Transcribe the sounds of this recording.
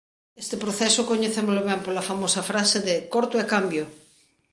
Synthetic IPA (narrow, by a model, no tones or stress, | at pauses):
est̪epɾoθesokoɲeθemoloβɛmpolɐfamosɐfɾaseðekoɾt̪oekambjo